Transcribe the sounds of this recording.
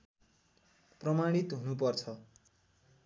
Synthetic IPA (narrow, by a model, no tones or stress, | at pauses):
prʌmaɽ̃it̪ɦunupʌrt͡sʰʌ